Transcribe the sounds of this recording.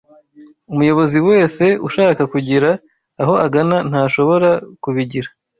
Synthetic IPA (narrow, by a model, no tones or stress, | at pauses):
umujo̞βo̞ziwe̞ːse̞ṵʃaːkakuɟiɾaː | ɦo̞ʔaɡanan̥haːʃo̞βo̞ɾakuβiɟiɾa